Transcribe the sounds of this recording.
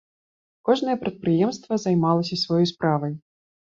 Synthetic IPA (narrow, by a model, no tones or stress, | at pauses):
kɔʐnɐjɛpɾɐt̪̚pɾɨjɛmst̪vɐzajmalˠɐsʲɐsvaɔjɔjspɾavɐj